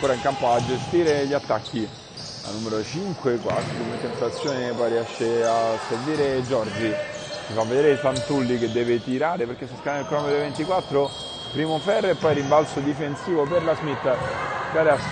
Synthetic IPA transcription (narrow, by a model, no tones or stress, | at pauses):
ŋkoːɾaiŋkampoad͡ʒest̪iːɾeʎːat̪ːakʰːi | a̰nːumeɾot͡ʃiŋkwekwa̰skumet̪ɛnt̪at̪sːjoːnepɔjriɛʃːeasːeɾviːɾed͡ʒɔrd͡ʒit͡ʃifavːed̪eːɾesant̪ulːiked̪ːɛːvet̪iɾaːɾepeɾk̟esːaskanːnilkɾɔmod̪event̪ikwat̪ːɾo | pɾiːmofɛrːeepːɔjɛɾimbalsod̪ifensiːvoperlazmit̪ːaɡaːɾea